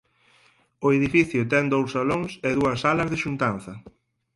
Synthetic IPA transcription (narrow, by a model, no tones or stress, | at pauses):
ʊeðifiθjʊt̪ɛŋd̪owsːaloŋsɛðuɐsalɐzðɪʃunt̪an̟θɐ